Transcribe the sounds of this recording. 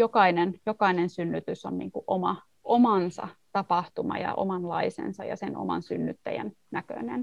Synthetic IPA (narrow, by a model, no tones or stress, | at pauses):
jokɑinenjokɑinensynːyt̪ysonnḭːŋkuʔomɑ | ʔomɑnsɑ̰t̪ɑpɑht̪umɑ̰jɑ̰ʔo̰mɑnlɑisḛnsɑjɑsenʔo̰mɑ̰nsynːyt̪ːæjæ̰n | nækø̰nen